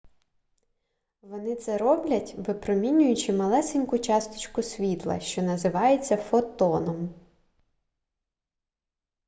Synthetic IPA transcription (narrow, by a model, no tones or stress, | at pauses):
ʋɔnɪt̪sɛɾɔblʲɐtʲbɪpɾɔmʲinʲʊjʊt͡ʃɪmɐlˠɛsenʲkʊt͡ʃɑst̪ɪ̥t͡ʃkʊsʲʋʲit̪lˠɐ̰ʃt͡ʃɔnɐzɪʋɑjet͡sʲːɐfɔt̪ɔnɔm